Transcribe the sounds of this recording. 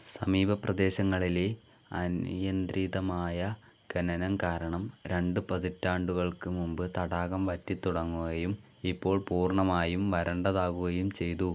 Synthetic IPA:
sɐmiːbɐprɐd̪e̞ːɕɐŋːɐɭile | ɐ̰njɐnd̪ɾiːðɐmaːjɐ | ɡ̥ɐnɐnɐmkaːɾɐɳɐmɾe̞ɳɖɨpɐðitːaːɳɖuɣɐɭkɨmumbɨt̪ɐɽaːɣɐmʋɐtːit̪ːuɽɐŋːuɣɐjum | ipːo̞ːɭpuːrɳɐmaːjumʋɐɾɐɳɖɐðaːɣuɣɐjumt͡ɕe̞jt̪u

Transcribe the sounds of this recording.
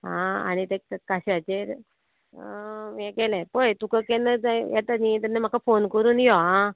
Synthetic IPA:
ɦãa̰ñit̪ekkaɕat͡ɕeɾ | ɛ̃kɛlɛ̃pojt̪ukəkɛnːəajɛt̪anit̪anːem̤akafonkəɾuːnjɔɦã

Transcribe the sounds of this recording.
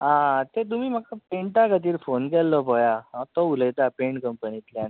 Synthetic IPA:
ãt̪et̪̬umiːm̤akapeɳʈakət̪iːɾfonkɛlːɔpɔjaɦãt̪ɔuləjt̪apeɳʈkəmpənit̪ljan

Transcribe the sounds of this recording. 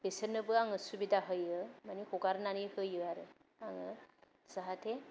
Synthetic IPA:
besənɯbɯaŋɯsubidaɦɯjɯmanikʰɔɡaɾnanihɯjɯaɾɯ | aŋɯ | saɦatʰe

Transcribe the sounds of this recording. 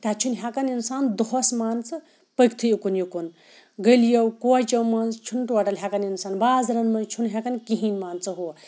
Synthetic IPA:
t̪at͡ʃʰunɦʲakɐninsaːnd̪oɦosmaːnt͡sɨ | pəkt̪ʰɨjukunjukun | ɡəljɐwkot͡ʃɐwmɐzt͡ʃʰunʈwaʈɐlɦʲakɐninsaːnbaːzɾɐnmɐt͡ʃʰunɦʲjakɐnkiɦinmaːnt͡sɐɦu

